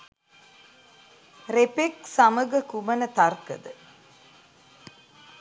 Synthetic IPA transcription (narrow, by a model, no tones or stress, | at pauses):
repeksaməɡəkumənət̪arkə̰d̪ə